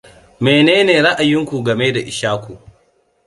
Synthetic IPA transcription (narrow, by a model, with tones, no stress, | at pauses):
meː˨neː˦neː˨ɾa˦ʔa˨jɪ˦ŋkʷu˨ɡɐ˨me˦da˨ʔɪ˨ʃaː˦kʷu˨